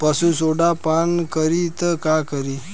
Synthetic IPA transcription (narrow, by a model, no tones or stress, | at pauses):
pəsũsoɖapankəɾit̪əkakəɾi